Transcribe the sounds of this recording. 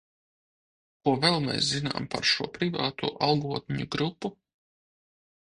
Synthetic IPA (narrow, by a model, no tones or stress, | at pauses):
kuɔvɛlˠmɛ̰jszina̰ːmpa̰ɾʃuɔpɾivɑːt̪ṵːʔalˠɡuɔt̪̚ʲnʲiɲuɡɾupːu